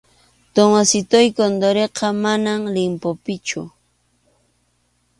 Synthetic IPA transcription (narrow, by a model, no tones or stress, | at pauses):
t̪omasɪt̪ojkond̪oɾeqɑmanamlɪmpopɪt͡ʃʊ